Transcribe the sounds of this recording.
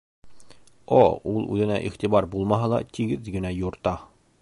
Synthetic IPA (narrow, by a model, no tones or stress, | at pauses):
ɒ̰ulˠʉ̰ðɘ̆næ̰ʔḭχt̪ibɑɾbulˠmɑɦɑlˠɑ̰t̪iɡɘðɡɘ̆næjŏɾt̪ɑ